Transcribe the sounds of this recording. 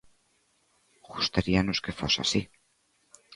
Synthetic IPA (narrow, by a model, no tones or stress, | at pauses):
ɡust̪aɾianoskefosa̰si